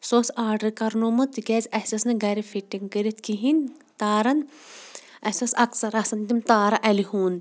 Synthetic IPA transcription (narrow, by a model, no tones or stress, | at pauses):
soːsaːɾɖɐɾkɐɾnomɐt̪iɡɛːzʲɐsɐsnɐɡɐɾifiʈːiŋkəɾit̪kiɦin | t̪aːɾɐn | ɐsɐsɐksɐɾɐsɐnt̪imt̪aːɾɐʔɐliɦuːn